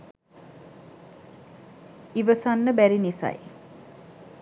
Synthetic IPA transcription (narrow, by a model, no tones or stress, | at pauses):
iʋəsanːəbæɾinisa̰j